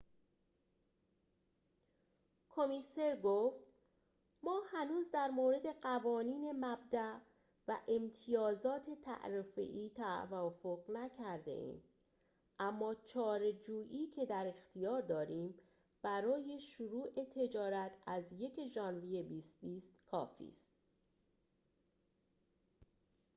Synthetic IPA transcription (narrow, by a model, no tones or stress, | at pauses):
kʰo̞mise̞ɾɡoft̪ | mɒːhænuːzd̪æɾmoːɾe̞d̪e̞ɢævɒːniːne̞mæbd̪æʔ | væʔemt̪ʰijɒːzɒːt̪ʰe̞t̪ʰæ̰ʔɾefḛʔiːt̪ʰævɒfoɣnæcʰæɾd̪e̞̰ʔḭːm | ʔæmːɒːt͡ʃʰɒːɾe̞d͡ʒuːʔiːcʰe̞d̪æɾe̞xt̪ʰijɒːɾd̪ɒːɾiːm | b̥æɾɒːje̞ʃuɾuːʔe̞t̪ʰe̞d͡ʒɒːɾæt̪ʰæzje̞ceʒɒːnvije̞biːst̪biːst̪kʰɒ̰ːfḭːst̪̚